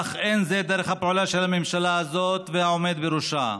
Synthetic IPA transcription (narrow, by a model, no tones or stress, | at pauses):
aχʔenzed̪eɾeχhapeʕulaʃelamemʃalaazo̞t̪vehaome̞d̪beɾuʃa